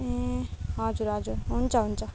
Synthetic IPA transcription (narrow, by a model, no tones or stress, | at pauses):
ẽɦʌd͡zuɾɦʌd͡zuɾɦunt͡sʰʌɦunt͡sʰʌ